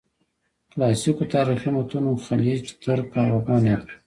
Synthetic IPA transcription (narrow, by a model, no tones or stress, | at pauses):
klɑsikot̪ɑːɾixinot̪unoxalit͡ʃt̪əɾkɑɾabɑne